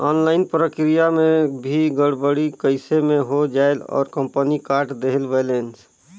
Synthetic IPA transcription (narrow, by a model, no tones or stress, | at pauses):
ɔnlaɪnpɾəkɾijamebʱiɡəɽbəɽikəɪsemẽɦod͡ʒaelɔ̰ːɾkəmpənikaɾʈd̪eɦəlʋelens